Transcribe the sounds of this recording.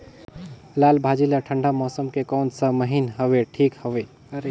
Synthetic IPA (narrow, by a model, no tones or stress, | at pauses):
lalbʱad͡ʒilaʈʰəɳɖamɔsəmkekɔnsə̃məɦinɦəbeʈʰikhəbe